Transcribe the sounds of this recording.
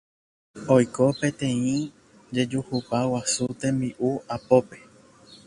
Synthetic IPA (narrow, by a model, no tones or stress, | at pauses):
ojkopẽ̞t̪ẽ̞ĩ | d͡ʒe̞d͡ʒuhupawasut̪ẽ̞mbiʔuapope̞